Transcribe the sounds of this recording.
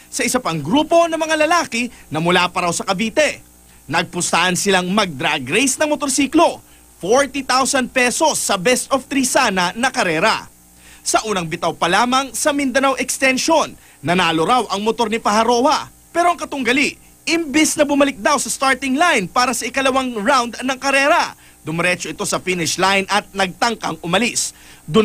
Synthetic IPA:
sɐʔɪsɐpɐŋɡɾuːpo̞nɐmɐŋalɐlaːkɪnɐmʊlaːpɐɾɐwsɐkɐbiːt̪ɛ | nɐɡ̚pʊst̪aʔɐnsɪlaŋmɐɡ̚d̪ɾaɡɾejsnɐŋmot̪oɾsiːklo̞ | foɹt̪it̪awsɐnd̪̚pɛso̞sːɐbɛst̪oft̪ɾisanɐnɐkɐɾɛːɾɐ̰ | sɐʔuːnɐŋbɪt̪awpɐlaːmɐŋsɐmɪnd̪ɐnawʔɛkst̪ɛnʃonː | ɐnaːloɾawʔɐŋmot̪o̞ɾnɪpɐɦɐɾo̞hɐ | pɛːɾoɐŋkɐt̪ʊŋɡɐliʔ | ɪmbɪsnɐbʊmɐlɪk̚d̪awsɐst̪aɹt̪ɪŋlajnpaːɾɐsɐʔɪkɐlɐwaŋɹawnd̪nɐŋkɐɾɛːɾɐ | d̪ʊmɐɾɛt͡ʃoɪt̪o̞sɐfinɪʃlajnʔɐt̪̚nɐɡ̚t̪ɐŋkɐŋʔʊmɐlisd̪ʊ

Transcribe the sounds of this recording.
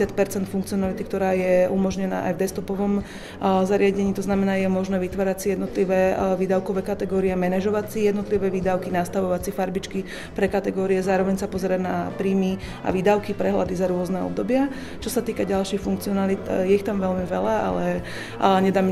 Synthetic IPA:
sɪat̪̚pɛɾt͡sɛnt̪fuŋkt͡siɔnalit̪ikt̪ɔɾaːjɛumɔʒɲɛna̰ːʔa̰jvd̪ɛst̪ɔpɔʋɔm | zaɾɪaɟɛɲiːt̪ɔznamɛnaːjɛmɔʒnɛːʋit̪ʋaːɾacsijɛd̪nɔt̪liʋɛːʋiːd̪aʊkɔʋɛːkat̪ɛɡɔːɾiɛmɛnɛʒɔʋat͡sijɛd̪nɔt̪liʋɛʋiːd̪aʊkinaːst̪aʋɔʋat͡sifaɾbit͡ʃki | pɾɛkat̪ɛɡɔːɾiɛzaːɾɔʋɛɲsapɔzɛɾaɟna̰pɾiːmi | a̰ʋiːd̪aʊkipɾɛɦla̰d̪izaɾʊɔznɛːɔ̰b̚d̪ɔbɪa | t͡ʃɔsat̪iːkaɟalʃixfuŋkt͡siɔnalit̪jɛixt̪amʋɛlmiʋɛ̰laa̰lɛ | ɲɛd̪aːm

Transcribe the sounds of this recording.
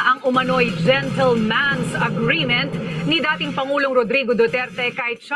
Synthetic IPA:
ʔɐŋʔʊmɐnojd͡ʒɛnt̪ɛlmansɐɡɾiːmɛ̃nt̪̚nɪd̪aːt̪ɪŋpɐŋuːloŋɾod̪ɾiːɡod̪ot̪ɛɾt̪ɛkaːhɪt̪̚ʃ

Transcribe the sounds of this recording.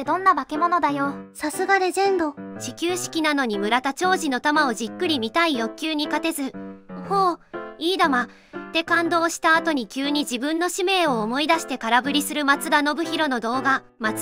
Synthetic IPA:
d̪õ̞nːabakemono̞d̪ajosasɨɡad̪e̞zẽ̞nd̪oɕikʲɨːɕi̥kʲinano̞ɲ̟imɯ̟ɾat̪at͡ɕo̞ːʑino̞t̪amao̞ʑikːɯ̟ɾʲimʲit̪aijo̞kʲːɨːɲ̟ikat̪e̞zɨhoːiːd̪ama | t̪e̞kãnd̪o̞ːɕi̥t̪aːt̪o̞ɲ̟ikʲɨːɲ̟id͡ʑibɯ̟̃nːo̞ɕime̞ːo̞ːmo̞id̪aɕi̥t̪e̞kaɾabɯ̟ɾʲisɨɾɯ̟mat͡sɨd̪ano̞bɯ̟çiɾo̞no̞d̪o̞ːɡa | mat͡s

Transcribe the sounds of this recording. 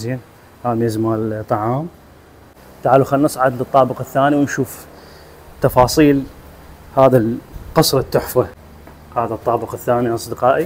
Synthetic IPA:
zjan | haːmiɪzmaːlt̪ˤːɑʕɑːm | t̪aʕaːluxanːʔɑsˤʕad̪lɨt̪ˤːɑːbəqɪθːaːniwnʃuːf | t̪ːɑfɑːsˤiːl | haːðalqɑsˤɾˤɑt̪ːʊħfa | haːðat̪ˤːɑːbəqɪθːaːniʔɑsˤd̪əqɑːʔi

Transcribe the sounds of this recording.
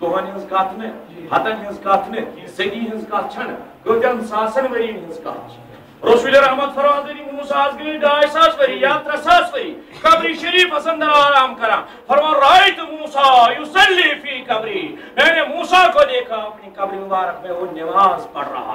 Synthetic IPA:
t̪oɦɐnɦɐnzɡaːt̪ʰnɨɦɐt̪ɐnɦɐ̃nzkaːt̪ʰnɨseɡ̪iːɦɐ̃nzɡaːt̪̚ʰt͡ʃʰɐnkəːt̪ʲjɐ̃nsaːsɐnʋɐɾiːnɦɐ̃nzka̰ːt̪t͡ʃʰ | ɾoːsʋilɐɾɐɦmɐd̪̚fʰɐɾʋãːnzed̪imuːsaːzɡliiɡaːsaːsʋɐɾiːjaːt̪ɾɐsaːsʋɐɾiː | kɐbɾiʃɐɾiːfɐsɐ̃nd̪ɐɾaːɾaːmkɐɾãː | pʰɐɾʋãːɾaːjt̪ɨmuːsaːjusɐlːifikɐbɾiːnɐnemuːsaːkoːleːkʰaːɐpnikɐbɾinbaːɾɐkʰmẽoːnɐʋaːspɐ̰ɽɾa̰ːa̰

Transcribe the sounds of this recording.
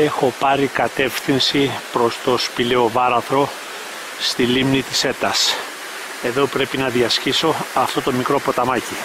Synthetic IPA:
e̞xo̞pɐɾikɐt̪e̞fθinsipɾo̞st̪o̞spile̞o̞vɐɾɐθɾo̞ | st̪ilimnit̪i̥se̞t̪ɐs | e̞ðo̞pɾe̞pinɐðiɐsciso̞ɐft̪o̞t̪o̞mikɾo̞po̞t̪ɐmɐci

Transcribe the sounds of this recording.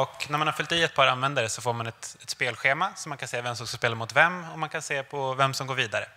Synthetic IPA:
ɔknæɾmanhaɾfʏlt̪iːɛt̪̚pʰɑːɾanvɛnd̪aɾəsɔfoːɾmanɛt̪ɛt̪speːlɧeːmasɔmːankʰanseːvɛmsɔmskaspeːlaɾmʊt̪vɛmːɔmankʰanseːpʰɔvɛmsɔmɡoːɾviːd̪aɾə̰

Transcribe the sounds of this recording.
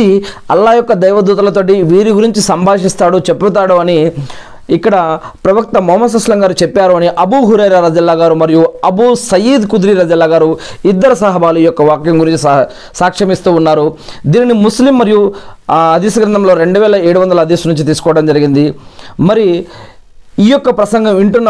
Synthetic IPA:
iɐlːaːjɔkːɐd̪ɐjʋɐd̪uːt̪̬ɐlɐt̪o̞ːʈ̬iʋiːɾiɡuɾiɲt͡ʃisɐmbʱaːʂist̪aːɽut͡ʃe̞pːut̪̬aːɽuɐniː | kːɐɽɐpɾɐʋɐk̚t̪ɐmɔːmɐs̬ɐslɐŋɡaːɾut͡ʃepːaːɾuɐniʔɐbuɦuɾɐːɾaɾɐd͡ʒɐlːaːɡaːɾumɐɾijuɐbusɐjiːd̪kud̪ɾiːɾɐd͡ʒɐlːaːɡaːɾuid̪ːɐɾɐsaɦɐbʱaːluiːjɔkːɐʋaːkjɐmɡuɾiɲt͡ʃi | saːkʂɐmist̪uːnːaːɾud̪iːninimuslimːɐɾiju | ɐd̪iːsɐɡɾɐnt̪ɐmlo̞ːɾe̞ɳɖuʋɛːlɐeːɽuʋɐnd̪ɐlɐd̪iːsɐnuɲt͡ʃit̪̬iːsu̥kɔʋɐɽɐmd͡ʒɐɾiɡind̪imɐɾiju | iːjɔkːɐpɾɐsɐŋɡɐmiɳʈunː

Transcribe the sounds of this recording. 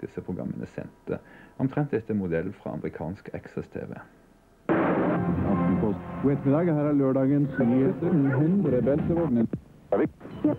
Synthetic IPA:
d̪ɪsəpʰʁʊɡʁɑ̰mːənəsɛ̰nt̪əɔmt̪ʰʁɛnt̪̚d̪ɛt̪ːəmʊd̪ɛlːfɾɑ̰ːɑ̰mɾɪkʰɑːnskʰɛksɛst̪ʰḛːʋḛ | ɑ̰d̪ənpʰɔwet̪mɪd̪ɑːɡəhæːɾæːløːɖɑːɡənsnyːheːt̪əɾnːɦʉnd̪ɾəbɛlt̪əʋɔɖnə | ʋɪ

